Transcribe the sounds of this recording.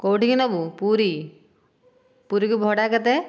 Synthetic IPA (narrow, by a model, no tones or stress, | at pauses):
kowʈikinɔbupuɾi | puɾikubʱɔɽakɛt̪ɛ